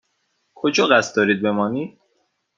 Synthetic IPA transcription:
kʰod͡ʒɒːɣæst̪̚d̪ɒːɾiːd̪̚be̞mɒːniːd̪̥

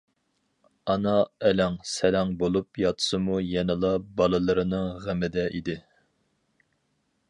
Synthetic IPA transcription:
ɑnɑɛlɛŋsɛlæŋbolˠupjɑt̪ʰɨ̥sɨmujɛnɨlˠɑbɑlˠɨlˠɨɾɨnɨŋʁæmɪd̪ɛʔid̪ɪ

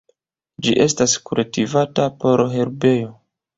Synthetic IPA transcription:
d͡ʒiʔe̞staskuɾetivatapo̞ɾɦe̞ɾbe̞jo̞

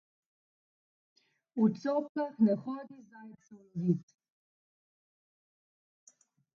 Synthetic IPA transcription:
ut̪sɔːp̚kaxnɛxɔːd̪izaj̪sɔzit̪

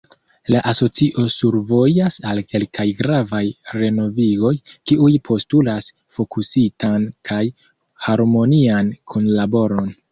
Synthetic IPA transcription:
laʔaso̞t͡siʔo̞suɾvo̞asalke̞lkajɡɾavajɾe̞no̞viɡo̞jkiʔujpʰo̞stulas | fo̞kusitʰankʰaj | haɾmo̞niankʰunlabo̞ɾo̞n

